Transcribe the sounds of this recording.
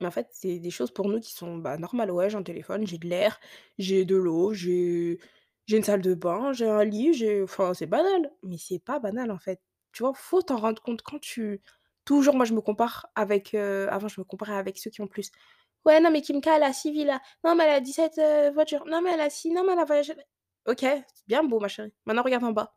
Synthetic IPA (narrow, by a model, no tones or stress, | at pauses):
mɛɑ̃fɛt̪sɛd̪eʃozpuʁnukʲi̥sɔ̃ba̰nɔʁmalwɛʒeɛ̃t̪elḛfɔnʒed̪əlɛʁʒed̪əloʒe | ʒeynsald̪əbɛ̃ʒeɛ̃liʒeɑ̃fɛ̃sɛbanalmɛsɛpabanalɑ̃fɛt̪̚ | t̪yvwafot̪ɑ̃ʁɑ̃d̪ʁəkɔ̃t̪kɑ̃t̪ʰy | t̪uʒuʁmwaʒəməkɔ̃paʁavɛkʰøa̰vɑ̃ʒəməkɔ̃paʁeavɛksøkʲiɔ̃plys | wɛnɔ̃mɛkʲiməkalasivila | nɔ̃mɛɛlad̪isɛt̪øvwat̪yːʁnɔ̃mɛɛlasinɔ̃mɛlavwajaʒeɛ | okʲeɛbjɛ̃bomaʃeʁimɛ̃t̪nɑ̃ʁəɡaʁd̪ɑ̃ba